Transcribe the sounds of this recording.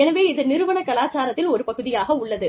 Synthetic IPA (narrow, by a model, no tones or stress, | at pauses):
ɛnɐʋeːɪðɯnɪɾɯʋɐɳɐkɐlaːt͡ʃaːɾɐt̪ːɪlɔɾɯpɐɣɯðɪjaːɣɐʊɭːɐðɯ